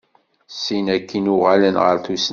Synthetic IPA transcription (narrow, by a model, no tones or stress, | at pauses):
sinækːinʊʁalənʁə̰ɾθus